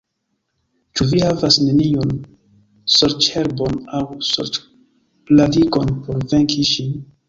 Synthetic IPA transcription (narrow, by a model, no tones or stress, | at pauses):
t͡ʃuvihavasne̞nion | soɾt͡ʃhe̞ɾbo̞nawso̰ɾt͡ʃ | pladiɡo̞npo̞ɾve̞ŋkʰiʃin